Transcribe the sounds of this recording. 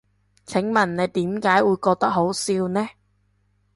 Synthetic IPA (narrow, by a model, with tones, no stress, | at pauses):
t͡sʰɪ˨˥ŋmɐ˨˩nne˨˧jt̪iː˨˥mkaː˨˥jwuː˨˧jkɔː˧k̚t̪ɐ˥k̚ɦo˨˥wsiː˧wnɛː˥